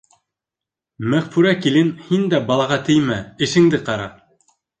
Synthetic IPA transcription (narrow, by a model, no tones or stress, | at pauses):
mæʁfʉɾækilɘnhind̪æbɑlˠɑʁɑt̪ɘ̆jmæɘ̆ʃɘ̆ŋd̪ɘqɑɾɑ̰